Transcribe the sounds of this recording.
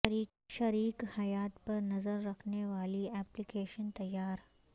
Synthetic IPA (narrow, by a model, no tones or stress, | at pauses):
i | ʃɐɾiːkhɐjaːt̪pɐɾnɐzəɾːɐkʰneʋaːliɛːplikeːʃənt̪ɐjːaːɾ